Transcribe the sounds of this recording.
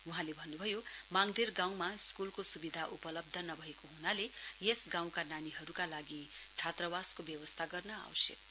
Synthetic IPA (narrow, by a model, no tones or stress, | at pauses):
uɦãlebʱʌnːubʱʌjomaŋd̪ʱirɡãw̃maskulkosubid̪ʱaʔupʌlʌb̚d̪ʱʌnʌbʱʌekoɦunalejesɡãw̃kananiɦʌɾukalaɡi | t͡sʰat̪rʌwaskobjʌwʌst̪ʰaɡʌrnʌa̰wsḛk̚